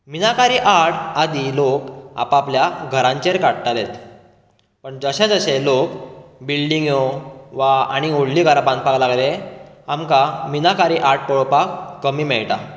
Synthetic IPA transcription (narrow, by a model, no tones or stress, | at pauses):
minakaɾiːʔaɽad̪iloka̰papljaɡʱəɾãɲt͡ɕeɾkaɽʈalet̪ | pəɳd͡zəɕãd͡zəɕelokbilɖiŋɡoʋaa̰ɽ̃ioɽliːɡʱaɾpãn̚paklaɡleamkaminakaɾiːʔaɽ̚pəɭɔpakːəmiːmɛɭʈa̰